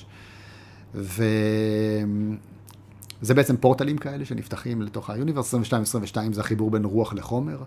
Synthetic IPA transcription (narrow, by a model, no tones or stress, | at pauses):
ve | zebeet͡sempo̞ʁtalimkae̞le̞ʃeniftaχimleto̞χajuniveʁsesʁimveʃtaimesʁimveʃtaimzeaχibuʁbe̞nʁuaχleχo̞me̞ʁ